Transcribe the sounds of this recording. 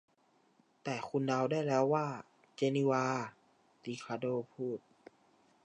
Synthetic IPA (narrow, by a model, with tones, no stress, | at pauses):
t̪ɛː˨˩kʰu˧˨nda˧wdaː˥˩jlɛː˦˥˨wːaː˥˩ | t͡ɕe˧ni˧waː˧ | t̪iː˧˩kʰaː˧doː˧˨pʰuː˥˩t̪̚